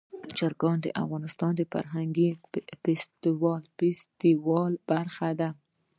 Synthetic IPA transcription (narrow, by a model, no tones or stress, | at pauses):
d͡ʒaɾɡɑnd̪əʔa̰fɣɑnɪst̪ɑnd̪əfa̰ɾɦaŋɡifɪst̪iwɑlɪst̪iwɑlb̥aɾxad̪a